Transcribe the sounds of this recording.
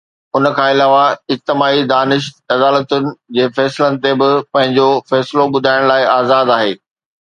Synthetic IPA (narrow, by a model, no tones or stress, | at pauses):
ʊnəkʰãːɪlaːʋaɪk̚t̪ɪmaːid̪aːnɪʃ | ɐd̪aːlət̪ʊnɪ̆d͡ʑeːfɛːsɪlənɪ̆t̪ebɪpɐ̃ɦɪ̃ɲd͡ʑofɛːsɪloɓʊd̪ʱaːɪɽ̃laːɪaːzaːd̪aːɦḛː